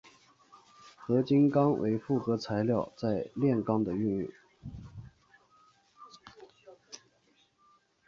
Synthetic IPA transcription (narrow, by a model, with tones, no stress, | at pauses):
xɤ˧˥t͡ɕi˥nkɑ˥ŋwʔḛ˧˥ɪfu˥˩xɤ˧˥t͡sʰa˧˥ɪljɑ˥˧ʊt͡sa˥˧ɪljɛ˥˩nkɑ˥ŋd̪ə˨y˥˧ny̰˥˩ŋ